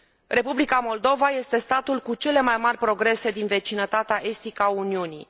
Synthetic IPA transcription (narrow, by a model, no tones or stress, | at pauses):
re̞publikamo̞ld̪o̞vaje̞st̪e̞st̪at̪ulkut͡ʃe̞le̞majmarʲpɾo̞ɡɾe̞se̞d̪inve̞t͡ʃinət̪at̪eaʔe̞st̪ikəauniunḭ